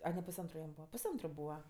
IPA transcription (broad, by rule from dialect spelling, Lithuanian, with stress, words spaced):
ɐ nʲɛ pʊsˈɐntrʊ jɛm ˈbuːʋɐ pʊsˈɐntrʊ ˈbuːʋɐ